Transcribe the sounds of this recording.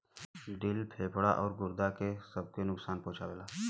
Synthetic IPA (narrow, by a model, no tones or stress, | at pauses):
ɖɪlpʰeːpɽa̰ʔɔːɾɡʊɾd̪akesɐb̚kenʊksaːnpõːt͡ʃʰabelaː